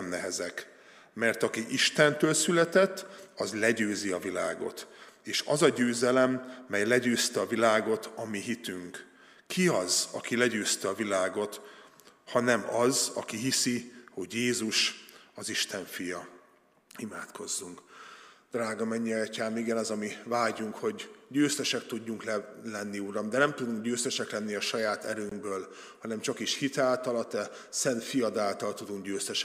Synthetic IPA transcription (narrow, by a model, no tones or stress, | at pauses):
mnɛɦɛzɛk | mɛrt̪ɒkiʔiʃt̪ɛnt̪øːlsylɛt̪ɛt̪ːɒzlɛɟøːziɒvilaːɡo̞̰t̪eːʃɒzɒɟøːzɛlɛmːɛjlɛɟøːst̪ɛɒvilaːɡo̞t̪ʰɒmiɦit̪yŋk | kʰiɒzɒkilɛɟøːst̪ɛɒvilaːɡo̞t̪ | hɒnɛmɒzɒ̰kiɦisiho̞ɟjeːzuʃɒziʃt̪ɛɱfijɒ | imaːt̪kʰo̞zːuŋkd̪̥raːɡɒmɛɲːiɒɒcaːmiɡɛnɒzɒmivaːɟuŋkho̞ɟɟøːst̪ɛʃɛk̚t̪uɟːuŋklɛlɛnːiuɾɒmd̪ɛnɛmt̪ud̪uŋkɟøːst̪ɛʃɛklɛnːiɒʃɒjaːt̪ɛ̰ɾøːŋɡbøːl | hɒnɛmt͡ʃɒkiʃhit̪aːlt̪ɒlɒt̪ɛ | sɛnt̪fijɒd̪aːlt̪ɒlt̪ud̪uŋɡɟøːst̪ɛʃ